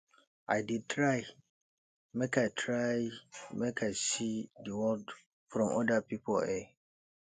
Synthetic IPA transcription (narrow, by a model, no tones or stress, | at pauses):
aɪdid̚tʰɹaɪ | mɛkʰaɪtʰɹaɪmɛkʰaɪsidəwɔld | fɾɔ̃mʔɔ̰dapʰipʰɔlɛ